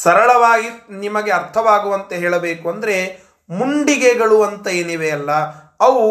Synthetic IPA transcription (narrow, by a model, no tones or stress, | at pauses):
sɐɾɐɭɐʋaːɡinimɐɡe̞ɐɾt̪ʰɐʋaːɡuʋɐnt̪ɐɦeːɭɐbeːkuɐnd̪ɐɾe̞ | muɳɖiɡeɡɐɭuɐnt̪ɐeːniʋeɐlːɐ | ɐʋu